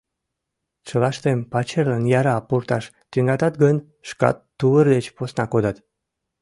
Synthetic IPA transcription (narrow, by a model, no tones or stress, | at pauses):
t͡ɕəlɑʃt̪empɑt͡ɕerlənjɑɾɑpurt̪ɑʃ | t̪yŋɑt̪ɑt̪ɡənʲ | ʃkɑ̰t̪ːuərd̪et͡ɕposnɑkod̪ɑt̪